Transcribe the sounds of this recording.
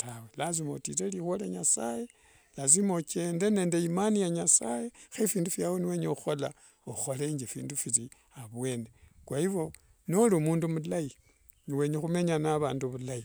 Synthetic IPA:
tawelazimo̞̰tḭɾelixwoleɲasaje | lazimo̞ke̞nde̞ne̞ːnde̞imanijaɲasajexefiːndufjawoniwe̞ːɲeuxo̞la | oxo̞leɲd͡ʒefḭːndufiɾi | aβwe̞ːne̞kwaiβo̞ | nolimuːndumulaji | niwe̞ɲexume̞ɲanaβaːnduβulai

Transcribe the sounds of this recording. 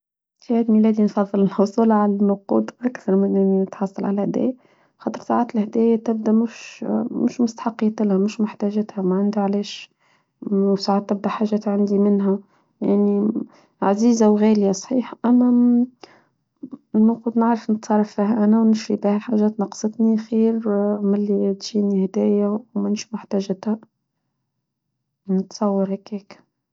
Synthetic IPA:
fihæːd̪milæːd̪infɑðˤːɨlɪlhʊsˤuːlɑʕalænːʊqṵːd̪ˤʔækθɑɾˤmɪnnnət̪ħɑsˤːɑlʕa̰læhæd̪æ̰jæ | xɑːt̪ˤəɾsaʕaːt̪əlhd̪æːjæt̪ɪb̚d̪æmʊʃmʊʃmʊst̪ḁħɑqːit̪ɪlhæmʊʃmʊħt̪æʒæt̪hæmæʕand̪uʕlæːʃ | wsaʕaːt̪ːɪb̚d̪æħaʒːæːt̪ʕand̪imɪnɦæ | jaʕni | ʕaziːzawɣæːljasˤħiːħʔæmːæ | nʊqud̪naʕɾˤɑfnət̪sˤɑrˤːɑfːiɦʔænæwnɪʃɾibihælħaʒæːt̪nɑqsˤɨt̪ˤnixiːɾʕmɪlːid̪ʒiːnihd̪æːjæwmɪnʃmʊħt̪æːʒɪt̪hæ | nət̪sˤɑwːɑɾhækiːk

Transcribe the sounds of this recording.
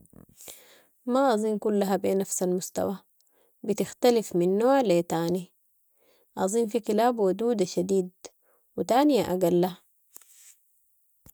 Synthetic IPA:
maʔɑzˤiːnkulːaɦabeːnafsalmust̪a̰wa | bit̪ixt̪alifminːoːʕlet̪aːni | ʔɑzˤiːnfikilaːbwad̪uːd̪aʃad̪iːd̪̚ | wit̪aːnijaʔaɡalːa

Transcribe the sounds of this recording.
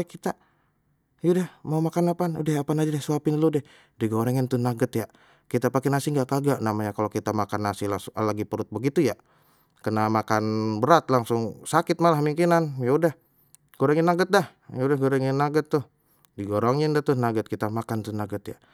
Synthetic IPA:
kit̪a | judahmaumakanapanṵdahapanad͡ʒadasuapɪnludɛ | diɡoɾɛŋɪnt̪unaɡət̪ja | kit̪apakɛnasɪŋɡaʔkaɡaʔnamaɲakalokit̪amakanːasilaslaɡipəɾʊt̪̚bəɡit̪uja | kənamakanbəɾat̪laŋsʊŋsakɪt̪̚malahmiŋkinanjaudah | ɡ̥oɾɛŋɪnːaɡət̪̚dah | jaudahɡoɾɛŋɪnːaɡət̪ːʊh | diɡoɾɔŋɪndaht̪ʊnaɡət̪̚kit̪amakant̪unaɡət̪ja̰

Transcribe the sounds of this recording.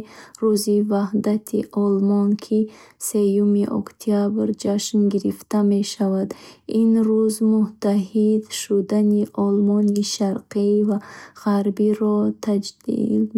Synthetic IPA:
ɾuzivahd̪at̪ʰiʔɔlmɔnkʰise̞jumiʔɔ̰kt̪ʰiabɾd͡ʒaʃnɡiɾift̪ame̞ʃavad̪inɾuzmut̪ʰaɦid̪ʃud̪aniʔɔlmɔniʃaɾqivaʁaɾbiɾɔt̪ʰad͡ʒd̪ḭl

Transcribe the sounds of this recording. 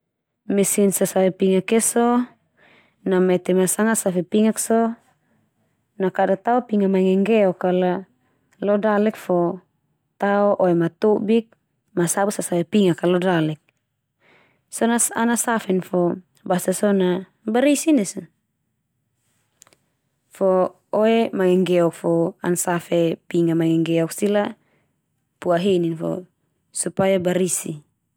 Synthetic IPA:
misinsasawɛpiŋakesɔ | namɛt̪ɛmasaŋasafɛpiŋaksɔ | nakadat̪aopiŋamaŋɛŋɡɛɔkala | lɔdalɛk̚fɔ | t̪aɔʔoemat̪ubik̚ | masabusasawɛpiŋakalɔdalɛk̚ | sɔnasa̰nasafɛnfɔ | basasɔna | baɾisinɛso | fɔ | oemaŋɛŋɡɛɔk̚fɔa̰nsafepiŋamaŋɛŋɡɛɔksila | puaɦeninfɔ̰ | supajabaɾisi

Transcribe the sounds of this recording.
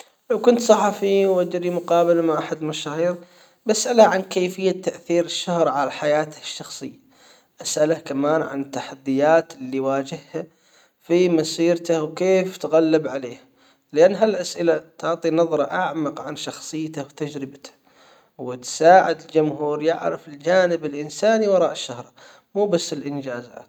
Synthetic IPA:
lawkʊnt̪sˤɑħɑfiwad͡ʒɾimʊqɑːbɪlmaʔaħad̪lmaʃaːhiːɾ | bʔasʔalaʕankeːfɪjːat̪ːaʔθiːɾɪʃːʊhɾˤʕalaħajaːt̪ʃːɑxsˤɨjːa | ʔasʔalakamaːnʕa̰nɪt̪ːaħad̪ːɪjaːt̪lːiwaːd͡ʒɪhha | fimasiːɾt̪awkeːft̪ɣalːɪbʕaleːha | lɪʔanːɦalʔasʔɪlat̪ʊʕt̪ˤinɑðˤɾˤɑʔaʕmɑqʕanʃɑxsˤɨjːt̪awt̪ad͡ʒɾɪbat̪ḁ | wɪt̪saːʕɪd̪ɪld͡ʒʊmɦuːɾjɪʕɾɪfɪld͡ʒaːnɪbɪlʔɪnsaːniwɑɾˤɑːʔɪʃːʊhɾˤ | muːbasːɪlʔɪnd͡ʒaːza̰ːt̪

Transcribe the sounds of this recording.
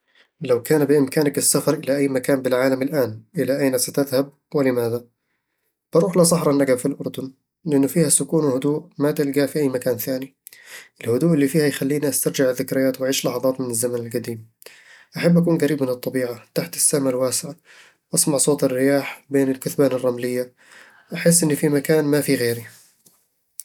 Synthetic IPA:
lawkaːnbɪʔɪmkaːnakɪsːafɑɾˤʔɪlaʔajːmakaːmbɪlʕaːlamɪlʔaːnʔɪlaʔajnasat̪ɪðhab̚ | wɪlɪmaːða | b̥ɑɾˤuːħlɑsˤɑħɾˤɑnʔaɡabfilʔʊɾˤd̪ʊn | lɪʔɪnːʊfiːhasʊkuːnwɪhʊd̪uːʔmat̪ɪlɡaʔfiʔajːmakaːnθaːni | ʔɪlhʊd̪uːʔɪlːifiːhajxalːiːniʔast̪ɑɾˤd͡ʒɪʕɪðːɪkɾɪjaːt̪wʔaʕiːʃlɑħɑðˤɑːt̪mɪnɪzːamanɪlɡad̪iːm | ʔaħabːʔakuːnɡaɾiːbmɪnɨt̪ˤːɑbiːʕat̪aħt̪ɪ̥sːamalwaːsɪʕa | ʔɑsmɑʕsˤoːt̪ɪrːɪjaːħbeːnɪlkʊθbaːnɪrˤːɑmlɪjːa | ʔaħɪs̬ːʔɪnːʊfimakaːnmafiɣeːɾi

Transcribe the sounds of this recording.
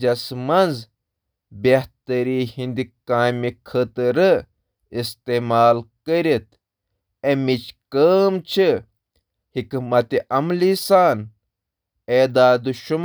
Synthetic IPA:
d͡ʒɐsmɐnz | beht̪ɐɾiːhind̪ikaːmikʰət̪ɾɨ | ist̪eːmaːlkəɾit̪̚ | emit͡ʃkəːmt͡ʃʰi | hikmɐt̪iʔɐmlisaːn | eːd̪aːd̪uʃum

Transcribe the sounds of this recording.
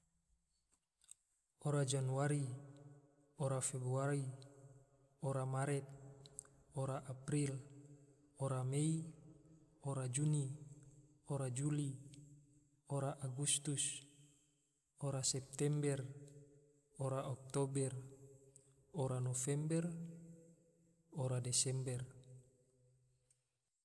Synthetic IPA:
oɾad͡ʒanuaɾi | oɾafɛbɾuaɾi | oɾamaɾɛt̪̚ | oɾaʔapɾil | oɾamei | oɾad͡ʒuni | oɾad͡ʒuli | oɾaʔaɡust̪us | oɾasɛp̚t̪ɛmbɛr | oɾaʔɔk̚t̪obɛr | oɾanofɛmbɛr | oɾadɛsɛmbɛr

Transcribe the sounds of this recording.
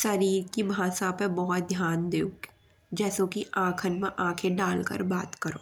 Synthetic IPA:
ʃɐɾiːɾkibʱaːsapebɔɦʊt̪̚d̪ʱjaːnd̪eːuk | d͡ʒɛːsokiʔãːkʰənmẽʔãːkʰeɖaːlkə̰ɾbaːt̪kəɾo̰ː

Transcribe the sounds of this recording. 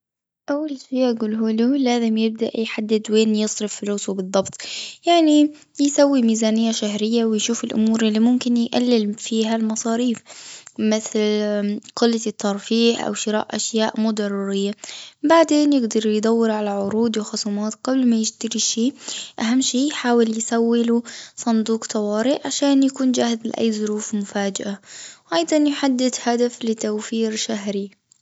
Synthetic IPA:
ʔawːalʃiːʔaɡuːlɦuːlulaːzɪmjɪb̚d̪a̰ʔjħad̪ːɪd̪weːnjɨsˤɾɪffʊluːsubɨðˤːɑbt̪ˤjaʕni | jsawːimiːzaːnɪjːaʃahɾɪjːawɪjʃuːfɪlʔʊ̰muːɾʔɪlːimʊmkɪnjʔa̰lːɪlfiːɦalmɑsˤɑːɾiːfmɪθlqɪlːat̪ʰːɑɾˤfiːʔʔa̰wʃɪɾa̰ːʔʔaʃjaːʔmuːd̪ɑrˤːuːɾɪjːabaʕd̪eːnjɪɡd̪ɑɾˤjd̪ˤɑwːɪɾʕalaʕʊɾuːd̪wɪxʊsuːmaːt̪ɡ̥ɑblmajɪʃt̪aɾiʃiːʔaɦamːʃiːjħaːwɪljɪsawːɪlusˤɑnd̪uːqt̪ˤʰɑwɑːɾɪʔʕaʃaːnjakuːnd͡ʒaːhɪzlɪ̰ʔa̰jːzˤʊɾuːfmʊfaːd͡ʒaʔawʔɑjd̪ˤɑnjħad̪ːɪd̪had̪aflɪt̪awfiːɾʃaɦɾi

